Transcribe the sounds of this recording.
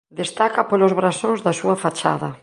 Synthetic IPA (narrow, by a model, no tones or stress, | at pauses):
d̪est̪akɐpolozβɾasõŋzðɐsuɐfat͡ʃa̰ðɐ